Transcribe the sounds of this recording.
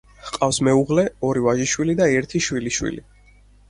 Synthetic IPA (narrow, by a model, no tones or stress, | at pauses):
hqʼafsmɛuʁlɛɔɾivaʒiʃwilid̪aɛɾt̪ʰiʃwiliʃwḭlḭ